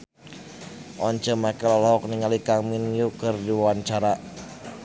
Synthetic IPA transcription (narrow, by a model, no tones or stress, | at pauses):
ʔɔnt͡ʃəmakəlɔlɦɔk̚niŋalikaminjukərdiwawant͡ʃaɾa